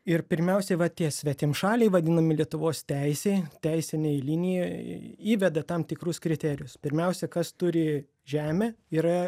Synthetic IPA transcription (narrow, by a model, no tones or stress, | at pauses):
ɪrpʲɪɾʲmʲɛʊsʲɛʋɐt̪ʲiɛsʲʋʲɛt̪ʲɪmʃɑːlʲɛɪʋɐd̪ʲɪnɐmʲɪlʲiɛt̪ʊʋoːst̪ʲɛɪsʲeɪt̪ʲɛɪsʲɪnʲeɪlʲinʲɪjɛiːʋʲɛd̪ɐt̪ɐmt̪ʲɪkɾʊskɾʲɪt̪ʲæːɾʲɪjʊspʲɪɾʲmʲɛʊsʲɛkɐst̪ʊɾʲɪ | ʒʲæːmʲeːiːɾɐ